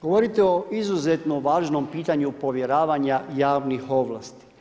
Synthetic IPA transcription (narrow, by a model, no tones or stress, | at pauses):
ɡ̥oʋoɾit̪eoʔizuzet̪noʋaːʒno̞mpiːt̪aɲupo̞ʋjeɾaːʋaɲajaːʋnixo̞ʋlˠa̰ːst̪i̥